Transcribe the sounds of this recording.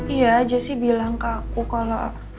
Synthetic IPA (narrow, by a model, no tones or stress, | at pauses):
ijad͡ʒasɪhbilaŋkakukalo̰